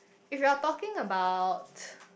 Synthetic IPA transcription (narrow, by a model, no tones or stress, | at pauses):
ɪfjiatɔkɪ̃ŋəbaʊt